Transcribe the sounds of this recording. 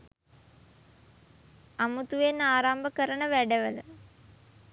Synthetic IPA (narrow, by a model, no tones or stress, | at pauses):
amut̪uʋenaːɾambəkəɾəɳəʋæɖəʋələ